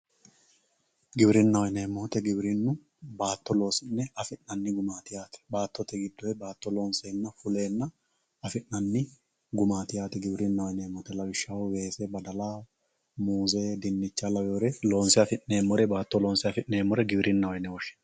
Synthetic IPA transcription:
ɡɪbɾɪnːɐwɔjnemːoːt̪ɛɡɪbɾɪnːʊ | baːt̪ːɔlo̞ːsɪnːɛɐfɪnːɐnːɪɡʊmaːt̪ɪjaːt̪ɛ̥baːt̪ːɔt̪ːɛɡɪd̪ːɔɛbaːt̪ːɔlo̞ːnseːnːɐfʊle̞ːnːɐ | ɐfɪnːɐnːɪ | ɡʊmaːt̪ɪjaːt̪ɛɡɪbɾɪnːɐwɔjneːmːɔːt̪ɛlɐbɪʃːɐwʊwe̞ːsebɐd̪ɐlaː | muːzeːd̪ɪnːɪt͡ʃːalɐwɛɔɾɛlo̞ːnsɪɐfɪʔneːmːɔɾɛbaːt̪ːɔloːnsɪɐfɪʔneːmːɔɾɛɡɪbɾɪnːɐwɔjnɛwɔʃɪ̥n

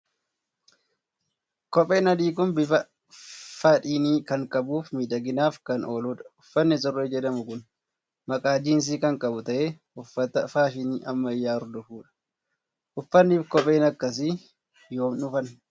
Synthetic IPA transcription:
kɔpʼe̞ːnɐd̪iːkʊnbɪfɐ | faːtʼiːniːkɐŋkʼɐbuːfmiːd̪ɐɡɪnaːfkɐno̞ːluːᶑɐ̥ʊfːɐnːɪs̬ɔrːeːd͡ʒɛᶑ̪ɐmʊkʊn | mɐkʼaːd͡ʒiːns̬iːkɐŋkʼɐbʊt̪ɐʔeː | ʊfːɐt̪ɐfaːʃɪniːʔɐmːɐɪjaːɾd̪ʊfuːᶑɐ̥ | ʔʊfːɐnːiːfkɔpʼe̞ːnɐkːɐs̬ɪ | joːmnʊfɐn

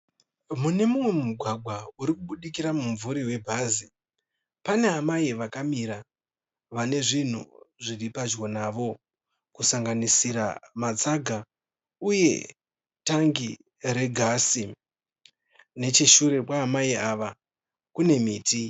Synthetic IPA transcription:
mune̞mumwe̞muɡʱwaɡʱwauɾikuɓuɗikiɾamuɱvuɾiwe̞bʱaːzi | pane̞amaiʋakamiɾa | ʋane̞ʐin̤ṵʐiripad͡ʒɣo̞naʋo̞ | kusaŋɡanisiɾa̰mat͡saɡʱa | uje̞̰ | taŋɡi | ɾe̞ɡʱasi | ne̞t͡ʃiʃuɾe̞kwaːmaiaʋa | kune̞miːtʰi

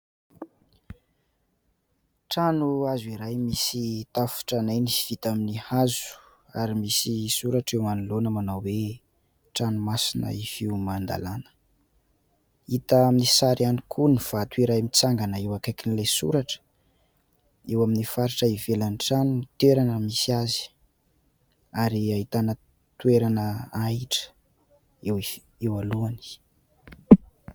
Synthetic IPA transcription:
ʈ͡ʂanuazwiɾajmisit̪afu̥ʈ͡ʂanajniv̥it̪aminihazu̥ | aɾimisisuɾaʈ͡ʂewmanulonəmanawwe | ʈ͡ʂanumasinə̰ifiumand̪a̰lanə̥ | it̪əaminisaɾianikʰuniv̥at̪weɾaimit͡saŋɡanəewakajkinilasṵɾaʈ͡ʂə̥ | ewaminifaɾiʈ͡ʂəivelaniʈ͡ʂanint̪eɾanəmisiazi̥ | aɾiaɦit̪anə | t̪ueɾanəaiʈ͡ʂə̥ | ew | ewaluani̥

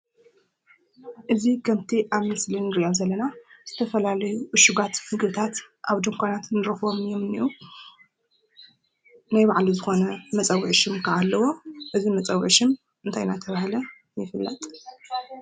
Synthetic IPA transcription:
ʔɨzikʰɐmt̪ʰiʔaβmɨslinɨɾiʔomzɐlːɐnaz̥ɨt̪ʰɐfɐlalɐjuʔʊʃuɡat̪hɨɡɨβt̪ʰat̪ | ʔaβd̪ɨŋkʷʰonat̪nɨɾɐxβo̞mɨjomɨnḭʔu | najbaʕlizɨxo̞nɐmɐt͡sʼɐwʕʃɪmkʰɐʔalːɐwo̞ʔɨzimɐt͡sʼɐwɨʕʃɪm | ɨnt̪ʰajnat̪ʰɐβahlɐ | jɪfɨlːɐ̰t̪ʼ

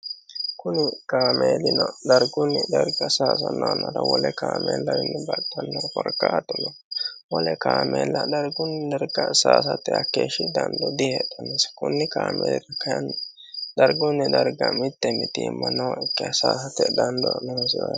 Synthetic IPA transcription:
kʊnɪkaːmeːlɪnɔd̪ɐɾɡʊnːɪd̪ɐɾɡɐsaːs̬ɐnɔːnɐɾɐwɔlɛkaːmeːlːɐwɪnːɛbɐtʼːɐnːɔkɔɾkːat̪ʼːɔnɔ | wɔlɛkaːmeːlːɐd̪ɐɾɡʊnːd̪ɐɾɡɐsaːsɐt̪ːɛɐkːeːʃɪd̪ɐnd̪ɔd̪ɪhɛt̪ʼːɐneskʊnːɪkaːmeːlɪɾɐkɐɐn | d̪̥ɐɾɡʊnːɛd̪ɐɾɡɐmɪt̪ːɛmɪt̪iːmːɐnɔɪkːɪɐsaːsɐt̪ːɛd̪ɐnd̪ɔnɛhsɔ

